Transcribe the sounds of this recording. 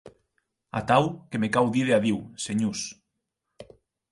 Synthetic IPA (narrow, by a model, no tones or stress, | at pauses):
a̰t̪awkemekawðiðeaðiwseɲus